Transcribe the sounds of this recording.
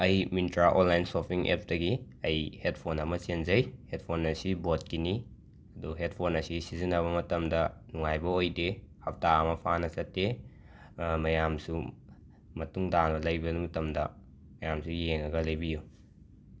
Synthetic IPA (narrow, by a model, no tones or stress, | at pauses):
ɐjmintɾaʔonlajnsopʰiŋʔḛp̚dɐɡi | ɐjhet̚pʰonɐmɐsenzɐjhet̚pʰonːɐsibot̚kini | ɐduɦet̚pʰonɐsisizinɐβɐmɐtɐmdɐnuŋajbɐojdehɐp̚taɐmɐpʰanɐsɐtːe | mɐjamsu | mɐtuŋdanbɐlɐjbɐnumɐtɐmdɐ | mɐjamsujeŋɐɡɐlɐjbiju